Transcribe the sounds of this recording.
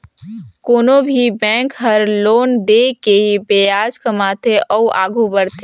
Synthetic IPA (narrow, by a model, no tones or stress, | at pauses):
koːnobʱibɛ̃ːŋkɦəɾloːnd̪ekeɦibejaːd͡ʒkəmaːt̪ʰeʔɔːʔa̰ːɡʱubəɾt̪ʰeː